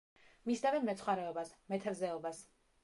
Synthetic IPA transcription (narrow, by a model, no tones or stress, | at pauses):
misd̪avɛmɛt̪sʰχwaɾɛɔbasmɛt̪ʰaɾzɛɔbas